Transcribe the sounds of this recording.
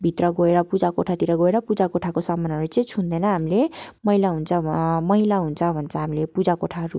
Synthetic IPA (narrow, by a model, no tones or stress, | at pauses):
bʱit̪rʌɡoeɾʌpud͡zakoʈʰat̪iɾʌɡoeɾʌpud͡zakoʈʰakosʌmʌnɦʌɾut͡sʌĩt͡sʰund̪enʌɦamilemʌɦilaɦunt͡sʰʌmʌɦilaɦunt͡sʰʌbʱʌnt͡sʰʌɦamilepud͡zakoʈʰaɦʌɾṵ